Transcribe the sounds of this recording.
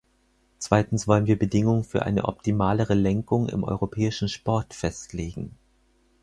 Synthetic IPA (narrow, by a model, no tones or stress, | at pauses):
t͡sv̥aɪtn̩sv̥ɔlənviːɐbədɪŋʊŋənfyːɐʔa̰ɪnə̰ʔɔptimaːləʁəlɛŋkʊŋɪ̰mʔɔ̰ʏʁopʰɛːɪʃn̩ʃpɔɐtfɛstʰleːɡŋ̩